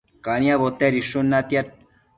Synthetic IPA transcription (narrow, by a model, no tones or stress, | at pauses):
kaniaβot̪eɾiʂunːat̪ja